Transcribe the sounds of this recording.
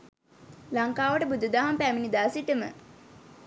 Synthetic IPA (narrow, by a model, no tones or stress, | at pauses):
laŋkaːʋəʈəbud̪ud̪aːɦampæminid̪aːsiʈəmə̰